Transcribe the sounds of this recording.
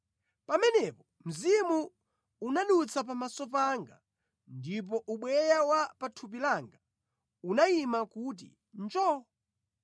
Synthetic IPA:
pamɛnɛpɔ | m̩zimu | unaɗut͡sʰap̬amasɔpaŋɡa | ndip̬ɔʔuɓwɛjawapatʰup̬ilaŋɡa | unaimakut̬ḭ | nd͡ʒɔ

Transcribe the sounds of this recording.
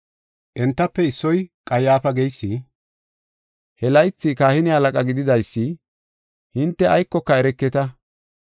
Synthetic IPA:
ʔɛnt̪ːɐpːɛɪsːɔjkʼɐjaːfɐɡɛjsːi | hɛlɐjt͡sːikaːhɪnɪɐlɐkʼɐɡɪd̪ɪd̪ɐjsːɪ | hɪnt̪ːɛɐjkːɔkːɐɛɾɛkːɛt̪ɐ

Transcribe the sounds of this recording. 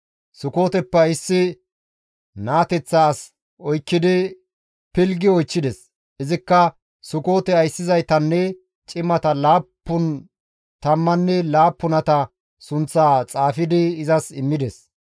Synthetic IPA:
sʊko̞ːt̪ɛpːɛɪsːɪ | naːt̪ɛt͡sːaːs | ɔjkːɪd̪ɪ | pɪlɡɪɔjt͡ʃːɪd̪ɛs | ʔɪzɪkːɐ | sʊko̞ːt̪ɛɐjsːɪzɐjt̪ɐnːɛ | t͡ʃʼɪmːɐt̪ɐlaːpːʊn | t̪ɐmːɐnːɛlaːpːʊnɐt̪ɐ | sʊnt͡sːaːt͡sʼaːfɪd̪ɪːzɐsɪmːɪd̪ɛs

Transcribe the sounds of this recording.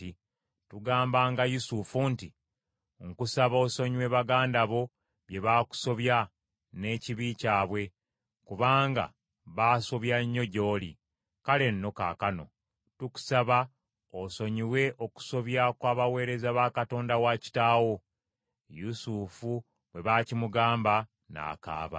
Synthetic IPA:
i | tuɡaːmbaːŋɡajusufunti | ŋkusaβo̞ːso̞ɲiwe̞βaɡaːndaβo̞ | βje̞βaːku̥so̞βja | ne̞ːciβicaːβwe̞ | kuβaːŋɡa̰ | βaːso̞βjaɲːo̞ɟo̞ːli | kale̞nːo̞ka̰ːkano̞̰ | tuku̥saβa | oso̞ɲiwe̞ʔo̞ku̥so̞βjakwaːβawe̞ːɾe̞zaβaːkato̞ːndawaci̥taːwo̞ | jusufu | βwe̞βaːcimuɡaːmba | na̰ːka̰ːβa̰

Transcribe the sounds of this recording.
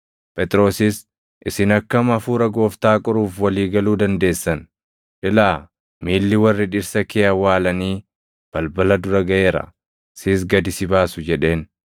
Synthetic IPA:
pʼɛt̪ʼɾo̞ːsɪs | ʔɪsɪnɐkːɐmɐfuːɾɐɡo̞ːft̪aːkʼʊɾuːfwɐliːɡɐluːd̪ɐnd̪e̞ːsːɐn | ᶑɪlaː | miːlːɪwɐrːɪᶑɪɾsɐkeːɐwaːlɐniː | b̥ɐlbɐlɐd̪ʊɾɐɡɐʔe̞ːɾɐ̰ | siːs̬ɡɐd̪ɪsɪbaːsʊd͡ʒɛᶑe̞ːn

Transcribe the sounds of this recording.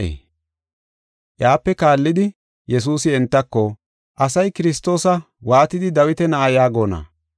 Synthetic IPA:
ʔjaːpːɛkaːlːɪd̪ɪ | jɛs̬uːsɪɛnt̪ːɐkːɔ | ʔɐsɐjkɪɾɪst̪ːo̞ːsɐ | waːt̪ɪd̪ɪd̪ɐwɪt̪ɛnɐʔɐjaːɡoːnɐ̰

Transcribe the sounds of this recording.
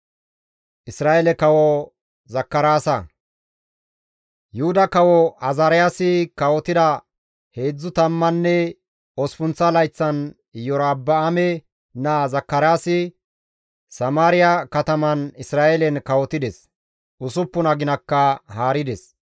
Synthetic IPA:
ʔɪsɾaːʔɛlɛkɐwɔ | zɐkːɐɾaːsɐ | jʊhʊd̪ɐkɐwɔɐzaːɾɪjaːsɪkɐwɔt̪ɪd̪ɐ | he̞ːd͡zːʊt̪ɐmːɐnːɛ | ɔspʊnt͡sːɐlɐjt͡sːɐn | jɔɾaːbːɐːmɛ | nazɐkːɐɾjaːsɪ | sɐmaːɾɪjɐkɐt̪ɐmɐnɪsɾaːʔɛlɛnkɐwɔt̪ɪd̪ɛs | ʔʊsʊpːʊnɐɡɪnɐkːɐhaːɾɪd̪ɛs

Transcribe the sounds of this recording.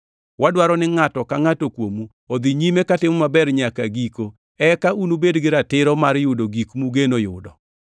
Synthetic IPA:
wadwaɾɔnɪŋatɔkaŋatokwomu | od̪iɲimekatɪmɔmabɛɾɲakaɡiko | ɛkaʔunubedɡɪɾatɪɾɔmaɾjʊdoɡikmuɡenojʊdɔ

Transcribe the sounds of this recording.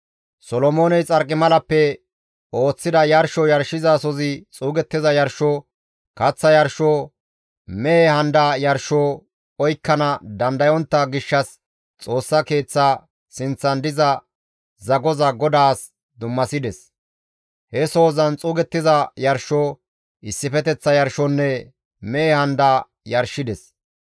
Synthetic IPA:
sɔlɔmoːnɛjt͡sʼɐɾkʼːɪmɐlɐpːɛ | o̞ːt͡sːɪd̪ɐjɐɾʃɔjɐɾʃɪzasɔzɪt͡sʼuːɡɛt̪ːɪzɐjɐɾʃoː | kɐt͡sːɐjɐɾʃoː | mɛehɐnd̪aːjɐɾʃoː | ɔjkːɐnɐd̪ɐnd̪ɐjɔnt̪ːɐɡɪʃːɐs | t͡sʼo̞ːsːɐke̞ːt͡sːaː | sɪnt͡sːɐnd̪ɪzɐ | zɐɡɔzɐɡɔd̪aːs | d̪ʊmːɐsɪd̪ɛs | hɛso̞ːzɐnt͡sʼuːɡɛt̪ːɪzɐjɐɾʃoː | ɪsːɪfɛt̪ɛt͡sːɐjɐɾʃɔnːɛ | mɛehɐnd̪aː | jɐɾʃːɪd̪ɛs

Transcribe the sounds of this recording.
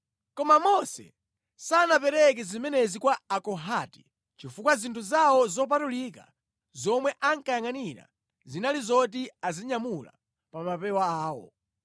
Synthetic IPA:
kɔmamɔsɛ̰ | sanapɛɾɛk̬ɛzimɛnɛzikwaakɔɦati̥ | t͡ʃifukwazintʰuzawɔzɔp̬atulika̰ | zɔmwɛʔaŋkajaŋaniɾa̰ | zinalizɔt̬iaziɲamula̰ | pamapɛwaaːwɔ̰

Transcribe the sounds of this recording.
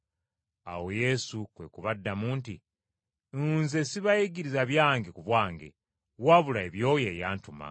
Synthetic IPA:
awo̞je̞sukwe̞kuβadːamuːnti | nzesiβajeɡiɾizaβjaːŋɡekuβwaːŋɡe̞̰ | waβulaeβjo̞ːje̞ːjaːntuma̰

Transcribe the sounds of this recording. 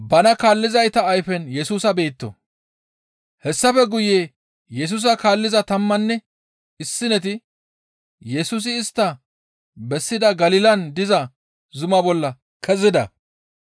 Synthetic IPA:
bɐnɐkaːlːɪzɐjt̪ɐːjfɛnjɛsuːsɐbe̞ːt̪ːɔ̰ | hɛsːɐfɛɡʊjeː | jɛs̬uːs̬ɐkaːlːɪzɐt̪ɐmːɐnːɛ | ɪsːɪnɛt̪̬ɪ | jɛsuːs̬ɪːst̪ːɐ | bɛsːɪd̪ɐɡɐlɪlɐnd̪ɪzɐ | zʊmɐbɔlːɐ | kʰɛzɪd̪ɐ

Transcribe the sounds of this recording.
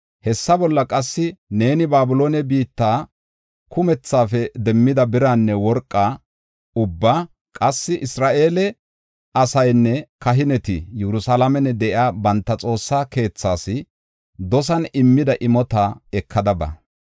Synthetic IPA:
hɛsːɐbɔlːɐkʼɐsːɪne̞ːnɪbaːbʊlo̞ːnɛbiːt̪ːaː | kʰʊmɛt͡sːaːfɛd̪ɛmːɪd̪ɐbɪɾaːnːɛwɔɾkʼːaː | ʊbːaː | kʼɐsːɪʔɪsɾaːʔe̞ːlɛ | ɐsɐjnːɛkɐɦɪnɛt̪ɪjɛɾʊsalɐmɛnɛd̪ɛʔɪaːbɐnt̪ːɐt͡sʼo̞ːsːaːke̞ːt͡sːaːsɪ | d̪ɔs̬ɐnɪmːɪd̪ɐʔɪmɔt̪aːɛkʰːɐd̪ɐbɐ̰

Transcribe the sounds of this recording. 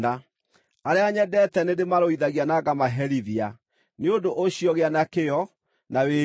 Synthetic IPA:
a | aɾeaɲɛdɛtɛnedemaɾoiðaɣianaɡamaɦɛɾiðia | neodoʔoɕijɔɣeanakejɔ | nawe

